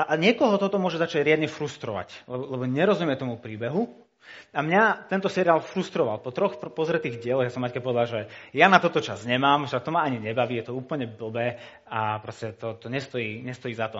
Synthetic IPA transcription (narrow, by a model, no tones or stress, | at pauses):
ʔaɲɪɛkɔɦɔt̪ɔt̪ɔmʊɔʒɛzat͡ʃaɟɾɪad̪ɲɛfɾust̪ɾɔʋa̰clɛbɔlɛbɔɲɛɾɔzumɪɛt̪ɔmupɾiːbɛɦu | amɲat̪ɛnt̪ɔsɛɾiaːlfɾust̪ɾɔʋalpɔt̪ɾɔxpɔzɾɛt̪iːɣɟɪɛlɔɣjasɔmːackɛpɔʋɛd̪alʒɛjanat̪ɔt̪ɔt͡ʃazɲɛmaːmʒat̪ɔmaaɲiɲɛbaʋijɛt̪ɔuːpl̩ɲɛbl̩bɛː | apɾɔscɛt̪ɔt̪ɔɲɛst̪ɔjiːɲɛst̪ɔjiːzat̪ɔ